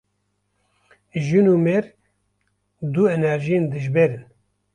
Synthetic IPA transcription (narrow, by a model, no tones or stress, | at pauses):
ʒɨnumeɾ | d̪uɛnɛɾʒijend̪ɨʒbeɾɨn